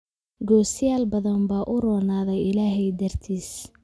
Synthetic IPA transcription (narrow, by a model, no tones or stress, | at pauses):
ɡɔːsɪjaːlbɐðɐmbaːʔʊrɔːnaːðɛjɪlaːɦɛjd̪ɐrt̪ʰiːs